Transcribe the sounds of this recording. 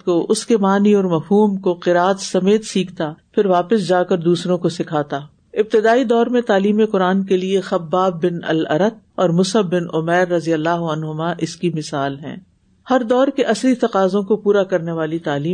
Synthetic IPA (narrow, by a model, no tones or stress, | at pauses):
koʔʊskemaːniɔːɾmɐfɦuːmkoqɪɾaːt̪sɐmeːt̪siːkʰt̪apʰɪɾʋaːpɪsd͡ʒaːkɐɾd̪uːsɾõkosɪkʰaːt̪aː | ɪb̚t̪ɪd̪aːid̪ɔːɾmẽt̪aːliːmeqʊɾaːnkeliexɐbːaːbːɪnɐ̰lɐ̰ɾət̪̚ɔːɾmʊsəbːɪnʊmɛːɾːɐzijəlːaːɦɐnɦʊmaʔɪskimɪsaːlɦɛ̰̃ː | hɐɾd̪ɔːɾkeʔɐslit̪ɐqaːzõkopuːɾakɐɾneʋaːlit̪aːliː